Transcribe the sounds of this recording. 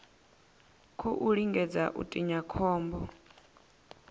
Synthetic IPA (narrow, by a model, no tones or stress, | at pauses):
kʰɔʔuɺiŋɡɛd͡zaʔṵtʼiɲakʰɔːmbɔ